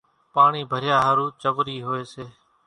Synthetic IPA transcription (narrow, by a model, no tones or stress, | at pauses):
paːɳiːbʱəɾɪjaːɦəɾuːt͡ʃəʋɾiːɦʊeːseː